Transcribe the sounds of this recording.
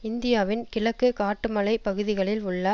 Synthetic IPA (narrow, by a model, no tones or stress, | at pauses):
ɪnd̪ɪjaːʋɪnkɪlɐkːɯkaːʈːɯmɐɭɐɪpɐɣɯðɪɣɐɭɪlʊɭːɐ